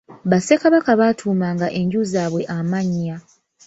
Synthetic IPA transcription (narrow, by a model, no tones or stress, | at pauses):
βase̞kaβakaβatʰuːmaːŋɡaʔe̞ɲɟuzaːβwe̞ʔamaɲːa